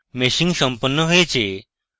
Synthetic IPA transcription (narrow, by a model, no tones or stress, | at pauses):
mesiŋsɔmpɔnːɔɦojet͡ʃʰe